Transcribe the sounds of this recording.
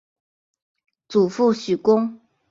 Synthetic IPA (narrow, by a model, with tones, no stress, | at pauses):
t͡su˨˩fu˥˨ɕy˨˩kʊ˥ŋ